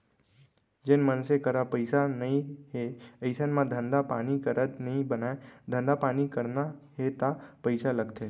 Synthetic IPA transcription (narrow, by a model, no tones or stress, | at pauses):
d͡ʒɪnmənsekəɾapəɪsanɐĩɦeəɪsənmãd̪ʱə̃nd̪apaːnikəɾət̪nəĩbənaed̪ʱə̃nd̪apaːnikəɾnaɦet̪apəɪsaləɡt̪ʰeː